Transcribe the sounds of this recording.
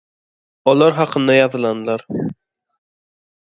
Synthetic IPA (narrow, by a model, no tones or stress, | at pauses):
ɒlˠɑɾɦɑqənd̪ɑjɑðɯlˠɑnɨlˠɑɾ